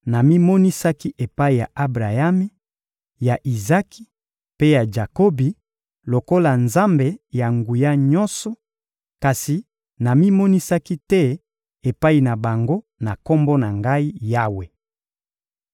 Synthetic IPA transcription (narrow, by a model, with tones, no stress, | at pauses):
na˨mi˦mɔ˦ni˦sa˦ki˦ʔe˨pa˦i˨ja˨ʔa˦bʁa˨ja˦me˦ | ja˨ʔi˨za˦ki̥˦ | pe˦ja˨ʒa˨ko˦bi˨ | lo˨ko˦la˨nza˦mbe˨ja˨ŋɡu˨ja˦ɲɔ˦nsɔ˨ | ka˨si˨ | na˨mi˦mɔ˦ni˦sa˦ki˦tɛ˦ | e˨pa˦i˨na˨ba˨ŋɡo˦ | na˨ko˦mbo˦na˨ŋɡa˦i˦ja˦we˨